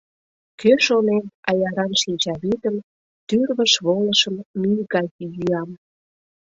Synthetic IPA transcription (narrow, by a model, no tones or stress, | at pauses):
køʃonenɑjɑɾɑnʃinʲt͡ɕɑβid̪əm | t̪yrβəʃβoləʃəmmyjɣɑkjyɑm